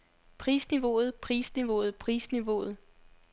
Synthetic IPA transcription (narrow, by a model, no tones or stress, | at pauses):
pʰʁiːsniʋo̝ð̞̩ˠpʰʁiːsniʋo̝ð̞̩ˠpʰʁḭːsniʋo̝ð̞̩ˠ